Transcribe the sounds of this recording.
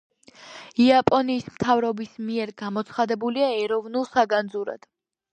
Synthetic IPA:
iapʼɔniːsmt̪ʰavɾɔbismiɛɾɡamɔt̪sʰχad̪ɛbuliaɛɾɔvnulˠsaɡand̪zuɾa̰d̪̥

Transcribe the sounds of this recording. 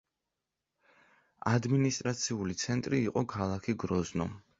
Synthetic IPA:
ad̪minist̪ʼɾat̪sʰiulit̪sʰɛnt̪ʼɾiːqʼɔkʰalˠakʰiɡɾɔznɔ

